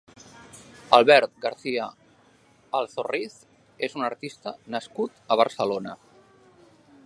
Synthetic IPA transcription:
alˠβɛɾt̪̚ɡaɾθiə | alˠθoriθ | ezunəɾt̪ist̪ənəskut̪əβ̞əɾsəlonə

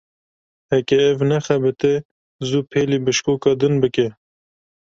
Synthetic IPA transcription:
hɛkɛːvnɛxæbɨt̪e | zupʰeːliːbɨʃkoːkɑd̪ɨnbɨke

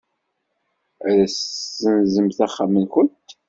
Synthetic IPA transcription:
æɾæsːənzəmθæχːamənkʊnt̪

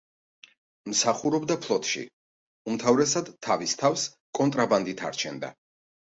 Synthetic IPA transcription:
msaχuɾɔbd̪apʰlˠɔt̪ʰʃḭ | umt̪ʰavɾɛsad̪ʰːavist̪ʰavs | kʼɔnt̪ʼɾaband̪it̪ʰa̰ɾt͡ʃʰɛnd̪a̰

